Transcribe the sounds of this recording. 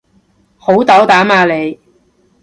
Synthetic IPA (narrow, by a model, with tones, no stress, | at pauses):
ho˨˥wt̪ɐ˨˥wt̪aː˨˥maː˧le˨˧j